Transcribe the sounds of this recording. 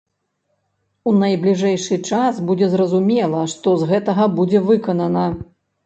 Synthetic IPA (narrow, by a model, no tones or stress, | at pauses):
unɐjblʲiʐɛjʂɨt͡ʂasbud͡zʲɛzrɐzumʲɛlˠɐʂt̪ɔzɣɛt̪ɐɣɐbud͡zʲɛvɨkɐnɐnɐ